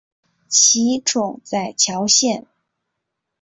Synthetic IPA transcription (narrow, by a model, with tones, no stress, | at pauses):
t͡ɕʰi˧˥ʈ͡ʂʰʊ˨˩ŋt͡sa˥˩ɪt͡ɕʰjɑ˧˥ʊɕjɛ˥˩n